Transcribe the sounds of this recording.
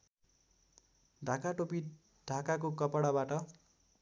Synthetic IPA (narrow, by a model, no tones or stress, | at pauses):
ɖʱãkaʈopi | ɖʱakakokʌpʌɽabaʈʌ